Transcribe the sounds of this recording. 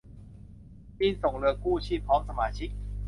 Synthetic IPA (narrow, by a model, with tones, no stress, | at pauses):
pi˥˩nso˨˩ŋlɯː˧kuː˥˩t͡ɕʰiː˥˩pʰɔː˦˥ŋsa˧maː˧t͡ɕʰi˦˥k̚